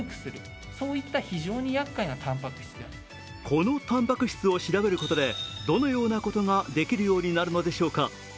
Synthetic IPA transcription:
kɯ̟̥sɨɾɯ̟ | so̞ːit̪ːaçiʑo̞ːɲ̟ijakːainat̪ʰãmpakɯ̟̥ɕi̥t͡sɨa̰ | kʰo̞no̞t̪ãmpakɯ̟ɕi̥t͡sɨo̞ɕiɾabe̞ɾɯ̟ko̞t̪o̞d̪e̞d̪o̞no̞jo̞ːnako̞t̪o̞ŋad̪e̞kʲiɾɯ̟jo̞ːɲ̟inaɾɯ̟no̞d̪e̞ɕo̞ːka

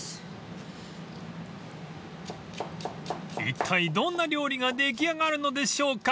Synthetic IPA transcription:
ḭt̪ʰːaid̪õ̞nːaɾʲo̞ːɾʲiɡad̪e̞k̬ʲiaɡaɾɯ̟no̞d̪e̞ɕo̞ːka

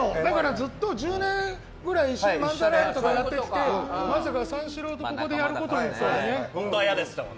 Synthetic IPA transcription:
od̪akaɾad͡zɨt̪ːo̞ʑɨːnẽ̞ŋ | ɡɯ̟ɾaiːɕimãnzaɾent̪okajat̪ːeki̥t̪e̞masakasãɰ̃ɕiɾo̞ːt̪o̞ko̞ko̞d̪e̞jaɾɯ̟ko̞t̪o̞nasoɾnẽojad̪es

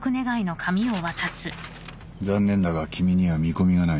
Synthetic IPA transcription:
kɯ̟ne̞ɡaino̞kʰamʲio̞βat̪asɨ | d͡zãnːẽ̞nd̪aɡakʲimʲiɲ̟iβamʲiko̞mʲiɡana

